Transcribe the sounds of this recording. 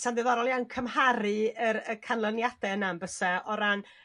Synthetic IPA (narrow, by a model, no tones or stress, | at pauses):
sandɪvaɾɔlˠjankʰəmhaɾɨəɾəkʰanlˠənjad̥ɛənambəsɛɔɾan